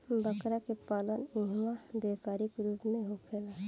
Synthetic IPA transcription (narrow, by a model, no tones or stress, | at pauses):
bəkɾakepaːləniɦmabeːpaːɾikɾuːpmẽɦokʰela